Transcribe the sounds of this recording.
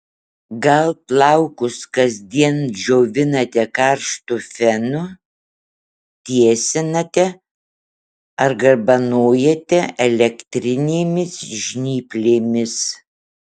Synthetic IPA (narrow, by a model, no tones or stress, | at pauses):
ɡɐlˠtlˠɐʊkʊskɐzʲd̪ʲiɛnd͡ʒʲoːʋʲɪnɐt̪ʲɛkɐɾʃt̪ʊfʲɛnʊ | t̪ʲiɛsʲɪnɐt̪ʲɛ | ɐɾɡɐɾbɐnoːjɛt̪ʲɛɛlʲɛkt̪ʲɾʲɪnʲeːmʲɪsʒʲnʲiːpʲlʲeːmʲɪs